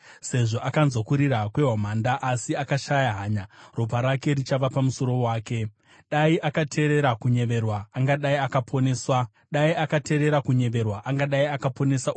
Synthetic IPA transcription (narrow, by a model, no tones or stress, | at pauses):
se̞ʐo̞ʔakanzokuɾiɾakwe̞ɦamaːndaʔasiakaʃajaɦaːɲarop̬aɾake̞ɾit͡ʃaʋapamuso̞ɾo̞waːke̞ | ɗaiʔakatʰe̞ɾe̞ɾakuɲe̞ʋe̞rwaːŋɡaɗaiakapʰo̞neːswa | ɗaiakate̞ɾe̞ɾakuɲe̞ʋe̞rwaʔaŋɡaɗaiakapo̞ne̞sa